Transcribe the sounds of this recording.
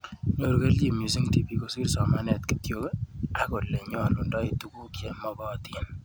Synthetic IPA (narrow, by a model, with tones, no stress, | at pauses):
ɲo˨ɾke˦lt͡ʃi˨mju˨si˦ŋti˨pi˦ko˦si˦rsɔ˨ma˦nɛ˨tki̥tjo˦ke˦a˦ko˨le˨ɲɔ˦lʊ˨ndɔ˦i˨tu˦ku˦kjɛ˨mɔ˨bɔ˦tin